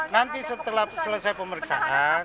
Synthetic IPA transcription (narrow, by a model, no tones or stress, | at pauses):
nant̪isət̪əlahsələsajpəməɾiksa̰ʔan